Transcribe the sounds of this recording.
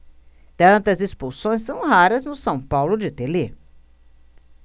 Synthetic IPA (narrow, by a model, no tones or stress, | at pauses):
t̪ɐ̃nt̪ɐzespusõj̃sːɐ̃w̃ɦaɾɐznʊsɐ̃w̃pawlʊd͡ʒɪt̪ele